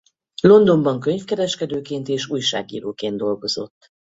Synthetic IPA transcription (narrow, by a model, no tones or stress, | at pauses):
lo̞nd̪o̞mbɒŋkøɲfkɛɾɛʃkɛd̪øːkeːnt̪eːʃuːjʃa̰ːɡḭːɾoːkeːnd̪o̞lɡo̞zo̞̰t̪ː